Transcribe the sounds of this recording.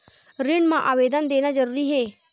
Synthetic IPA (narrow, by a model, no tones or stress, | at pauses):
ɾɪɳmãʔaːʋed̪ənd̪eːñad͡ʒəɾuːɾiɦe